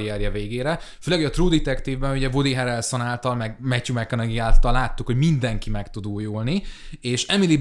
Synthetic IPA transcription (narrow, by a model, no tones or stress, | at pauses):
ijɛrjɛveːɡeːɾɛføːlɛɡjɒt̪ruːd̪it̪ɛkt̪iːvbɛnuɟɛvod̪iɦɛɾɛlso̞naːlt̪ɒlmɛɡmɛcumɛkːɒnɛɡiaːlt̪ɒlːaːt̪ːukho̞ɟmind̪ɛŋkimɛkt̪ud̪uːjulnieːʃɛmili